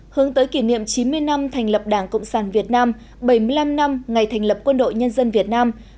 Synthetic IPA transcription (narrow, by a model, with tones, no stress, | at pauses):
hɨ˨˦əŋt̪əː˨˦jki˧˩nḭ˧˨əmt͡ɕi˨˦nmɨ˧əjna˧mt̪ʰa˨˩jŋ̟lə˨˩p̚ɗaː˧˩ŋkə̰˧˨wŋ͡msaː˧˩nvi˨˩ət̚naː˧m | ɓə˧˩jmɨ˧əjla˧mna˧mŋa˨˩jt̪ʰɛ˨˩ŋ̟lə˨˩p̚kwə˧nɗo̰˧˨jɲə˧nzə˧nvi˨˩ət̚naː˧m